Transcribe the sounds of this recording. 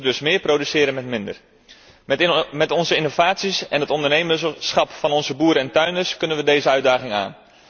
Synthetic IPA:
dɵsmɪːɹprowdysɪːɾənmɛtmɪndər | mɛtɔnzəɪnov̥aːtsisɛ̰nɦətɔndərnejməsχɑpfɑnɔnzəbuːɾəɛntœɥnəskɵnənʋədejzəœɥdaːχɪŋa̰ːn

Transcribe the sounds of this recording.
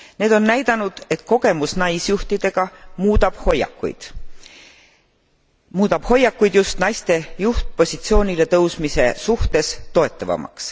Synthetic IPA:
ne̞ːd̪̥o̞nːæjd̪̥ɑnud̪̥e̞t̪ko̞ɡ̥e̞musnɑjsjuht̪id̪̥e̞ɡ̥ɑmuːd̪̥ɑb̥hojɑ̰kːˑṵjd̪̥ | muːd̪ɑb̥ho̞jːɑkːˑujd̪̥just̪nɑjst̪e̞juht̪̚po̞sʲit̪sio̞ːnʲile̞t̪ɤwsmise̞suht̪e̞st̪o̞e̞t̪ːˑɑvɑ̰mɑ̰ks

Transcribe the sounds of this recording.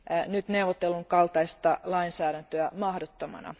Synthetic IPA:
nyt̪neuʋot̪ːelːuŋkɑlt̪ɑist̪ɑlɑinsæːɾænt̪øæmɑhdot̪ːomɑ̰nɑ̰

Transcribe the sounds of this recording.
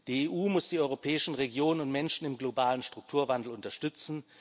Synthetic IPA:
d̥iːeːʔuːmʊsd̥iːɔʏʁ̞opʰɛːɪʃn̩ʁeɡjoːnənʊntmɛnʃn̩ɪmɡlobaːlənʃtʁ̥ʊk̚tʰuːɐvandl̩ʊntɐʃtʏt͡sn̩

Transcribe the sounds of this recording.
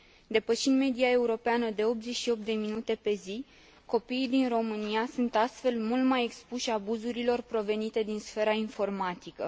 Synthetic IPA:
d̪e̞pəʃind̪me̞d̪iae̞uɾo̞peanəd̪e̞o̞p̪ze̞t͡ʃʃio̞p̚t̪d̪e̞minut̪e̞pe̞zi | ko̞piːd̪inro̞mɨniasunt̪ast̪fe̞lmult̪maje̞kspuʃabuzuɾilo̞rpɾo̞ve̞nit̪e̞d̪insfe̞ɾainfo̞rmat̪ikə

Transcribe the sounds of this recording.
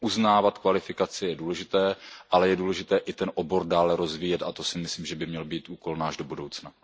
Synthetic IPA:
ʔuznaːvat̪kvalɪfɪkat͡sɪjɛduːlɛʒɪt̪ɛːʔalɛjɛduːlɛʒɪt̪ɛːʔɪt̪ɛnʔo̞bo̞ɾdaːlɛɾo̞zviːjɛt̪at̪o̞sɪmɪsliːmʒɛbɪmɲɛlbiːt̪ʔuːko̞lnaːʒdo̞budo̞wt͡sna

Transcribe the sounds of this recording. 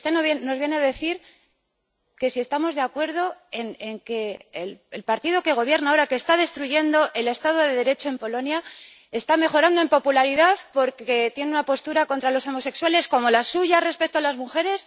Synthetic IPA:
ust̪enoβjeːo̞zβje̞neaðe̞θiɾ | ke̞sie̞st̪amo̞zðe̞akwe̞ɾð̞o̞eneŋke̞ːlelpaɾt̪iðo̞ke̞ɣ̞o̞β̞je̞ɾnao̞ɾake̞ːst̪að̞e̞st̪ɾuʝe̞nd̪o̞ʔe̞le̞st̪að̞o̞ðe̞ðe̞ɾe̞t͡ʃo̞e̞mpo̞lo̞nja | e̞st̪ame̞xo̞ɾand̪o̞e̞mpo̞pulaɾiðaðpo̞ɾke̞t̪je̞neunapo̞st̪uɾako̞nt̪ɾalo̞so̞mo̞se̞kswale̞sko̞mo̞lasːuʝare̞spe̞k̚t̪oalazmuxe̞ɾe̞s

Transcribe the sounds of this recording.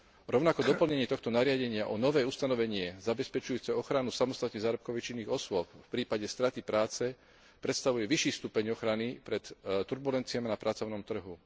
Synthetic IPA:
ɾɔʊnakɔd̪ɔpl̩ɲɛɲɪɛt̪ɔxt̪ɔnaɾɪaɟɛɲɪaʔɔnɔʋɛːust̪anɔʋɛɲɪɛzabɛspɛt͡ʃujuːt͡sɛɔxɾanusamɔst̪at̪nizaːɾɔp̚kɔʋit͡ʃinːiːɣɔsʊɔpfpɾiːpaɟɛst̪ɾat̪ipɾaːt͡sɛ | pɾɛt̪st̪aʋujɛʋiʃiːfst̪uːpɛɲɔxɾanipɾɛt̪t̪uɾbulɛnt͡siamnapɾat͡sɔʊnɔmt̪r̩ɦu

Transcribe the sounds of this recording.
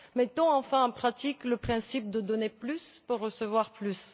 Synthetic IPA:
mɛt̪ɔ̃ɑ̃fɛ̃ɑ̃pχat̪ikləpχɛ̃sip̚d̪əd̪ɔneplyspuʁːəsəvwaʁplys

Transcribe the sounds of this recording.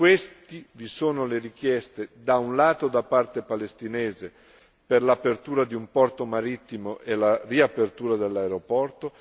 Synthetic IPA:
kwest̪ivisoːnoleɾik̟jɛst̪ed̪aunlaːt̪od̪apːart̪epalest̪inɛeːze | perlapert̪uːɾad̪iumpɔrt̪omaɾit̪ːimoʔelariapert̪uːɾad̪elːaeɾopɔrt̪o

